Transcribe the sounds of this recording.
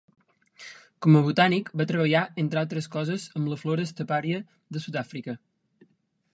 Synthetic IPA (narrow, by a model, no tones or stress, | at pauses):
kɔməβ̞ut̪anikbat̪ɾəβəʎaent̪ɾalˠt̪ɾəskɔzəzəmləfloɾəːst̪əpaɾiə | ðəsud̪afɾikə